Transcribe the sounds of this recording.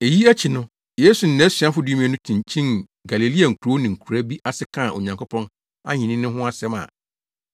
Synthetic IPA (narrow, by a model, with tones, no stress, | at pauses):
e˨ji˦æ˦t͡ɕʰi˨nʊ̃˦ | je˦su˨n̩˨nɛ̃˨˦sɥa˦fʊ˦du˦mĩ˨˦nʊ̃˦tʰĩ˨ɲ˨t͡ɕʰĩ˦n | ɡa˨le˨li˦a˨ŋ̩˨kʰu˨ɾo˦nɪ̃˨ŋ̩˨kʰu˨ɾa˦bi˦ʔa˦sɪ˦kʰã˦˨ʔo˨ɲã˨ŋkʰo˦pʰɔ̃˦n | a̰˦ɲɪ̃˨nĩ˦nʊ̃˦ɦʊ̃˦a˦sɛ˦mã̰˨